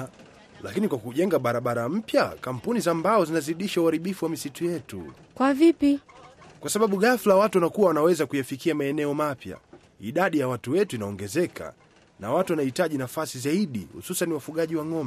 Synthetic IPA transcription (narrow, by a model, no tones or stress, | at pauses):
lakinikwakuʄɛŋɡaɓaɾaɓaɾam̩pjakam̩punizambaɔzinaziɗiʃauaɾiɓifuwamisitujɛtṵ | kwavipikwasaɓaɓuɣaflawatuwanakuwawanawɛzakujafikiamaɛnɛɔmapja̰ | iɗaɗijawatuwɛtuinaɔŋɡɛzɛkʰa̰ | nawatuwanahitaʄinafasizaiɗihṵsusaniwafuɠaʄiwaŋɔmɛ